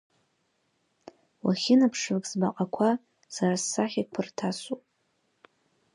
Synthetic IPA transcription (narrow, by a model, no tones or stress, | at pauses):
waχʲɪnapʰʂvɨkʼsbaqʼakʷʰa | sarasːaχʲikʷʰɨrtʰasupʼ